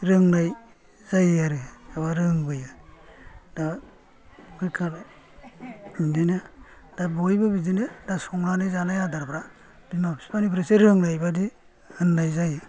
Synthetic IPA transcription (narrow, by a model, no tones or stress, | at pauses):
ɾɯŋnaj | zajaɾɯabaɾɯŋbɯja | da | kɯjkʰaɾ | indina | d̥abɔjbɯbizinedasɔŋnanajzanajadaɾbɾa | dimapʰspanipʰɾeseɾɯŋlajbadi | hɯndajzaja